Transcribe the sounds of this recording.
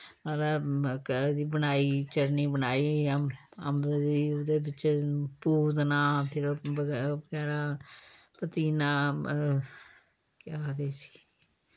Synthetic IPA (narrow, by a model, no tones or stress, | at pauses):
ad̪aːkd̪iːbənaːiːt͡ʃəɾniːbənaːiː | ə̰md̪iːʊd̪eːbɪt͡ʃpuːznaːpʰɪɾəbəɡɛːɾaː | pət̪iːnaː | kjaːd̪eːsi̥ː